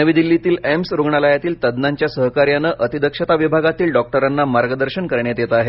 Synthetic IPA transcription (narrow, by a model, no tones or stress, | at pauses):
əʋid̪ilːit̪iːlemsɾuɡɳaləjat̪iːlt̪əd̪naɲt͡ɕjasəɦkaɾjanəʔət̪id̪əkʂət̪aʋibʱaɡat̪iːlɖɔk̚ʈəɾanːamaɾɡəd̪əɾɕənkəɾɳjat̪jet̪əaɦe